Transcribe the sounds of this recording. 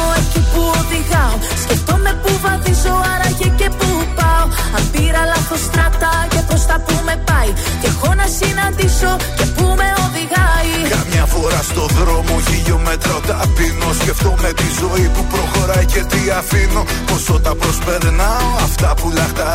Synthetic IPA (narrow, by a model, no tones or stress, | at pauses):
oecipuoðiɣɐo | sce̞ft̪o̞me̞puvɐθizo̞ɐɾɐʝece̞pu | pɐo | ɐmpiɾɐlɐθo̞st̪ɾɐt̪ɐce̞pɾo̞st̪ɐpume̞pɐj | ce̞ɣo̞nɐsinɐnd̪iso̞ce̞pume̞o̞ðiɣɐjkɐmɲɐfo̞ɾɐst̪o̞ðɾo̞moçiʎo̞met̪ɾɐot̪ɐfinosceft̪ome̞t̪izo̞ipupɾo̞xo̞ɾɐjcet̪iɐfino | posot̪ɐpɾospeɾnɐoɐft̪ɐpulɐxt̪ɐ